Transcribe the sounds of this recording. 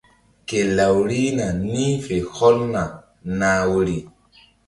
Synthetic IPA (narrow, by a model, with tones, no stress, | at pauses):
ke˨la˨wɾi˦na˨ni˦fe˨hɔ˦lna˨ | naː˦wo˦ɾi˦